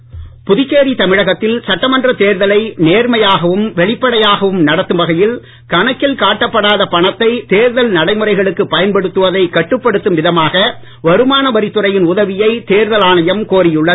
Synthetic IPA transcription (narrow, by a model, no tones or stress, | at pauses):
pʊðɪkːeːɾit̪ɐmɪɻɐɣɐt̪ːɪlsɐʈːɐmɐndrɐt̪eːɾðɐlɐɪneːɾmɐjaːɣɐʋɯmʋɛɭɪpːɐɽɐjaːɣɐʋɯmnɐɽɐt̪ːɯmbɐɣɐjɪl | kɐɳɐkːɪlkaːʈːɐpːɐɽaːðɐpɐɳɐt̪ːɐɪt̪eːɾðɐlnɐɽɐɪmɯrɐɪɣɐɭɯkːɯpːɐjɐnpɐɽɯt̪ːɯʋɐðɐɪkːɐʈːɯpːɐɽɯt̪ːɯmʋɪðɐmaːɣɐ | ʋɐɾɯmaːnɐʋɐɾɪt̪ːɯrɐjɪnʊðɐʋɪjɐɪt̪eːɾðɐlaːɳɐjɐmkoːɾɪjɯɭːɐ